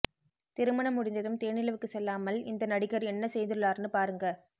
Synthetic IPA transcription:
t̪ɪɾɯmɐɳɐmːʊɽɪnd̪ɐðɯmt̪eːnɪlɐʋɯkːɯsɛlːaːmɐlɪ̰nd̪ɐnɐɽɪkːɐɾɛnːɐsɛjd̪ɯɯɭaːɾnɯpaːɾɯŋɡɐ

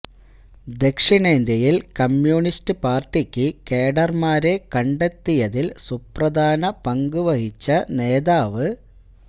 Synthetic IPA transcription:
d̪e̞kʂiɳe̞ːnd̪jɐjilkɐmjuːɳistɨpaːrʈːikʲːɨke̞ːɽɐrmaːɾe̞kɐɳɖet̪ːijɐðilsuprɐd̪ʱaːnɐpɐŋɡuʋɐhit͡ɕːɐne̞ːðaːʋɨ

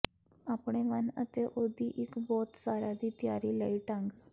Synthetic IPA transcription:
apɳeʋanə̰t̪eʔod̪ʱiːʔikbɔt̪saɾad̪iːt̪jaɾiːləiʈãŋɡ

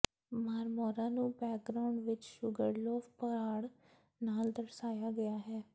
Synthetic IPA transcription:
maːɾmɔːɾãːnũːbɛːk̚ɡɾaːʊɳɖʋɪt͡ʃʃʊɡəɾlɔːfpəaːɽ | naːld̪əɾsaːjaːɡəjaːɦɛː

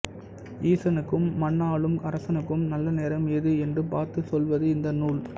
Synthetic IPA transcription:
iːsɐnɯkːɯmːɐɳːaːɭɯmɐɾɐsɐnɯkːɯmnɐlːɐneːɾɐmɛðɯɛndrɯpaːɾt̪ɯsɔlʋɐðɯɪnd̪ɐnuːɭ

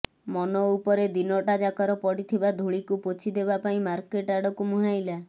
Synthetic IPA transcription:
mɔnɔupɔɾed̪inɔʈad͡ʒakɔɾɔpɔɽit̪ʰibad̪ʱuɭikupot͡ʃʰid̪ebapaĩmaɾkeʈaɽɔkumuɦajla

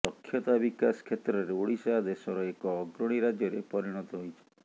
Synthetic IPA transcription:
sɔkʰːjɔt̪abikaskʰet̪ɾɔɾeoɽisaad̪esɔɾɔekɔːɡɾɔɽ̃iɾad͡ʒjɔɾepɔɾiɽ̃ɔt̪ɔɦojt͡ʃʰe̥

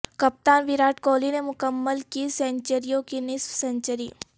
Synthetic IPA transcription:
kɐp̚t̪aːnʋɪɾaːʈkɔːlinemʊkəmːəlkisɛ̃ɲt͡ʃəɾijõkinɪswsɛ̃ɲt͡ʃəɾiː

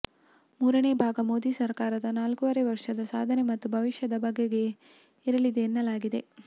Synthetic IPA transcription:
muːɾɐneːbʱaːɡɐmo̞ːd̪iːsɐɾkaːɾɐd̪ɐnaːlkuʋɐɾeʋɐɾʂɐd̪ɐsa̰ːd̪ʱɐne̞mɐt̪ːubʱɐʋiʃjɐd̪ɐbʱɐɡːe̞ɡe̞ | iɾɐlid̪eːnːɐlaːɡid̪e̞

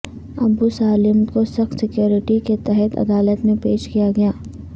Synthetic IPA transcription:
ɐbusaːlɪmkosɐxt̪sɪkjoːɾɪʈiket̪ɛɦɛt̪ɐ̰d̪aːlət̪mẽpeːʃkijaɡɐjaː

